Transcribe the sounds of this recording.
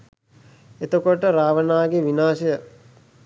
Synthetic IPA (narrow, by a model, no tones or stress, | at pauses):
et̪okoʈəɾaːʋənaːɡeʋinaːsəjə